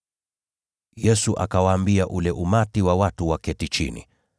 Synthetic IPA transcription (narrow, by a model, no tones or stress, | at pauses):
jɛsuʔa̰kawaːmbiaʔulɛʔumatiwawatuwakɛtit͡ʃḭnḭ